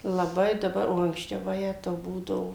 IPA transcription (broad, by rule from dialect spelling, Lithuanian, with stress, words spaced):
lˠɐˈbɐɪ dɐˈbɐr oː ɐŋksʲˈt͡ʃʲɛʊ ʋɐˈjæːtɐʊ ˈbuːdɐʋoː